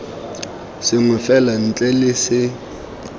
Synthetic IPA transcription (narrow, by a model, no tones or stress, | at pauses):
sɪŋʊfɛlan̩t͡ɬʼɛlɪsɪ